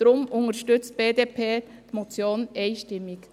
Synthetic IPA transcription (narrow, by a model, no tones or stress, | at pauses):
dɾʊmʊŋəɾʃtʏt͡st̚b̥eːdeːpʰeːtmɔt͡sjoːnɛɪʃtɪmːɪk